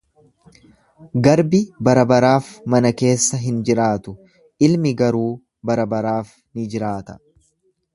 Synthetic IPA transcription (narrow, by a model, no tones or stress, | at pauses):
ɡɐɾbɪbɐɾɐbɐɾaːfmɐnɐke̞ːsːɐɦɪnd͡ʒɪɾaːt̪ʊ | ʔɪlmɪɡɐɾuː | bɐɾɐbɐɾaːf | nɪd͡ʒɪɾaːt̪ɐ̥